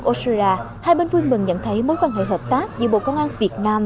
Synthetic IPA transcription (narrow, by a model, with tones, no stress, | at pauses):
k̚ʔo˧si˧aː˧ | haː˧jɓe˧nvɨ˧əŋmɨ˨˩ŋɲə̰˧˨nt̪ʰə˨˦jmo˨˥jkwaː˧˩ŋhḛ˧˨˩ɦəː˨˩p̚t̪aː˦˥k̚zɨ̰˨˦ɓo̰˧˨kɔ˧wŋ͡mʔaː˧nvi˨˩ət̚naː˧m